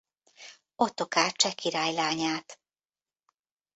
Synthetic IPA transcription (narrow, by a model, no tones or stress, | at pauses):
ot̪okaːt͡ʃɛkʰiɾaːjlaːɲaːt̪